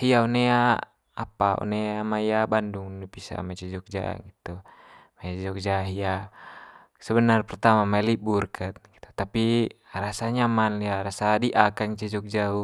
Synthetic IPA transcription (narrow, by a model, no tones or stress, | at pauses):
hiaɔnea | a̰paɔ̰neamaijabanduŋnipisa̰mat͡ʃɛd͡ʒɔk̚d͡ʒa̰ɡit̪umat͡ʃɛd͡ʒɔk̚d͡ʒaɦia | sɛbənarpɛrt̪amamaliburkʰat̪̚ɡ̥i̥t̪u̥t̪api | ɾasaɲamanliaɾasadiʔakaŋt͡ʃɛd͡ʒɔk̚d͡ʒau